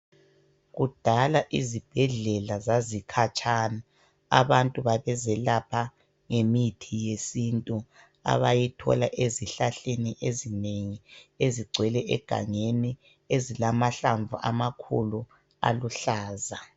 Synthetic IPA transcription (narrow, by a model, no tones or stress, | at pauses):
ɣud̥ʱalaʔizib̥ʱɛɮɛlazazikʰat͡ʃʼaːna | a̰βantʼuβaβɛzɛlapʰa | ŋemitʰijesintʼu | a̰βajitʰɔ̰laʔeziɬaɬeniʔezineŋieziɡ͡ǀʱwɛlɛʔɛɡ̥ʱa̰ŋeni | ezilamaɬaɱvuʔa̰makʰṵlu | a̰luɬaːza